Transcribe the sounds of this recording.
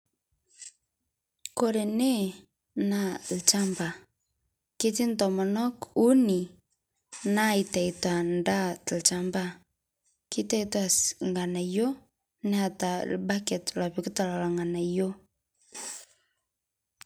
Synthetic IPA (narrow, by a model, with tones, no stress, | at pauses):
ko˨ɾe˨ne˦ | na˦lt͡ʃa˦mba˨ | ke˦ti˦ntɔ˨mɔ˨nɔ˦ku˦ni˨ | na˦i˨ta˨i˨twa˨nda˦tlt͡ʃa˨mba˦ | ki˦ta˦itwa˨sŋɡa˨na˨jo˦ | nɛ˦a˨ta˨lba˦kɛ˨tla˨βi˨ku˦ta˨la˨la˨ŋɡa˨na˨jo˦